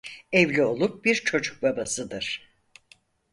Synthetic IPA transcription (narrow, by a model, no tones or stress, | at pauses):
evlʲio̞lˠup̚biɾt͡ʃʰo̞d͡ʒuk̚babasɯd̪ɯɾ̥